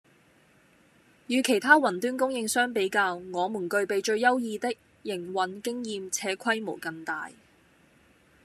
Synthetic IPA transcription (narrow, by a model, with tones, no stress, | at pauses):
jyː˨˧kʰe˨˩jt̪ʰaː˥wɐ˨˩nt̪yː˥nkʊ˥ŋjɪ˧ŋsœː˥ŋpe˨˥jkaː˧wŋɔː˨˧muː˨˩nkɵ˧ɥpe˨jt͡ʃɵ˧ɥjɐ˥wjiː˧t̪ɪ˥k̚ | jɪ˨˩ŋwɐ˨˥nkɪ˥ŋjiː˧mt͡sʰɛː˨˧kʷʰɐ˥jmo˨˩wkɐ˧ŋt̪a̰ː˨j